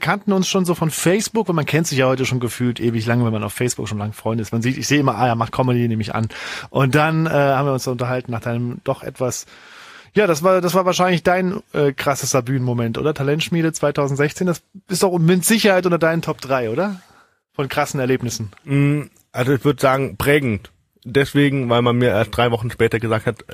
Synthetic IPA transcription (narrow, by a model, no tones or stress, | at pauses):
kʰantn̩ʊnsʃoːnzoːfɔnfɛɪsb̥ʊkvaɪlmankʰɛntz̥ɪçjaːhɔʏtəʃoːnɡəfyːltʔeːvɪçlaŋəvɛnmanaʊfːɛɪsb̥ʊ̰kʃoːnlaŋəfʁ̥ɔʏnətɪstmanziːtɪçz̥eːəʔɪmɐʔaːjaːmaχkʰɔmədineːmɪça̰nʔʊnt̚d̥anʔɛːhaːbm̩viːɐʊnsd̥aʊntɐɦaltn̩naːχd̥aɪnəmd̥ɔχʔɛ̰tv̥as | jaːdasv̥aːɐdasv̥aːɐvaːɐʃaɪnlɪçd̥aɪnʔɛːkʁ̥asəstɐbyːnmomɛntʔo̰ːdɐtʰalɛntʃmiːɾət͡sv̥aɪtʰaʊzn̩tz̥ɛçt͡seːnd̥asɪstaʊmɪtz̥ɪçɐhaɪtʔʊntɐdaɪnəntʰɔp̚d̥ʁaɪʔoːdɐ | fɔnkʁ̥asn̩ɛɐleːpnɪsn̩m̩h̩ | ʔalzoɪçv̥ʏɐdəzaːɡŋ̩pʁ̥ɛːɡŋ̩t | d̥ɛsv̥eːɡŋ̩vaɪlmanmiːɐʔeːɐst̚d̥ʁaɪvɔχn̩ʃpɛːtɐɡəzaːk̚that